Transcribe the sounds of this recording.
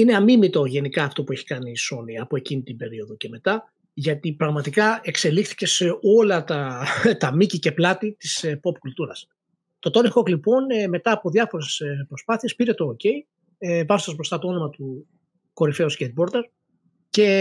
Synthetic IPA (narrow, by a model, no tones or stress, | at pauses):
ine̞ɐmimit̪o̞ʝe̞nikɐːft̪o̞pueçi̥kɐniso̞niɐpo̞e̞cinit̪ibe̞ɾio̞ðoce̞me̞t̪ɐ | ʝɐt̪ipɾɐɣmɐt̪ikɐe̞kse̞lixθi̥ce̞seo̞lɐt̪ɐt̪ɐmicice̞plɐt̪it̪ispo̞pkult̪uɾɐs | t̪o̞t̪o̞nixo̞klipo̞nme̞t̪ɐːpo̞ðɐfo̞ɾe̞spɾo̞spɐθie̞spiɾe̞t̪o̞ːce̞i | evɐzod̪ɐzbɾost̪ɐt̪oo̞nomɐt̪u | ko̞ɾife̞uscet̪̚bo̞ɾd̪e̞ɾ | ce̞